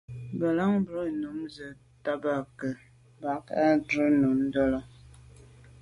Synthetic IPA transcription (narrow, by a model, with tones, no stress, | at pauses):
bə˨la˦ŋbɾə˦˨no˨˦mzə˨ | ta˦ba˦˨kə˨ | ba˨˦ka˦dɾə˦no˨n˦dɔ˦la˦